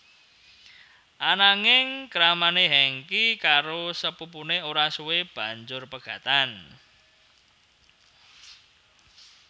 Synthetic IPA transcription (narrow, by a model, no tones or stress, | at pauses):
ʔanaŋɪŋkɾamaneɦɛŋkikaɾosəpupuneoɾasuweb̥ä̤ɲd͡ʒʊrpəɡ̥ä̤t̪an